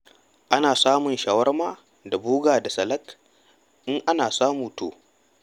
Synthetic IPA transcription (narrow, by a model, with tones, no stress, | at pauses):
ʔa˦naː˨saː˦mʊ˨nʃaː˨wɐ˦rmaː˦ | da˨buː˦ɡaː˨da˨sɐ˨lɐ˦k | ʔɪ˦ŋʔa˦naː˨saː˦muː˨toː˨